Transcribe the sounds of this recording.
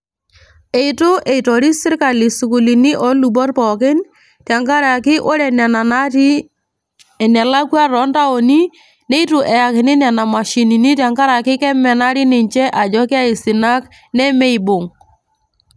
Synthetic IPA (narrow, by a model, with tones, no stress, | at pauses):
e˨i˨tʊ˦ʔe˨i˨tɔ˨ɾi˦sɪ˦ɾka˨li˨su˨ku˨li˨ni˦ʔɔ˨˦lu˨bɔ˦rpɔ˨kɪ˦n | tja˨ŋka˦ɾa˨kɪ˦ʔo˦ɾɛ˨˦ | ɛ˨na˨la˦ku˦a˦ɾɔ˨˦nta˦o˨ni˦ | ne˦i˦tʊ˨ʔɛ˨ja˨kɪ˨nɪ˦na˨na˨ma˨ʃi˨ni˨ni˦tja˨ŋka˦ɾa˨kɪ˦kɛ˦mɛ˨na˦ɾi˦nɪ˨ɲt͡ʃɛ˦ʔa˨d͡ʒɔ˦kɪ˦a˦ɪ˨sɪ˨na˦k | nɛ˦mɛ˦i˨bʊ˨ŋ